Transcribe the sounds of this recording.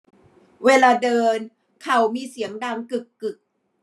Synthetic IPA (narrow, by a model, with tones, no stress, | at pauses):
weː˧laː˧dɤː˧n | kʰa˨˩wmiː˧si˩˦əmdaː˧˩ŋkɯ˨˩kːɯ˨˩k̚